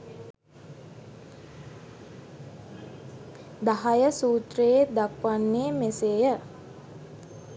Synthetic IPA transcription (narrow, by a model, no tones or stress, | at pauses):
d̪aɦajəsuːt̪rəjed̪akʋanːeːmeseːjə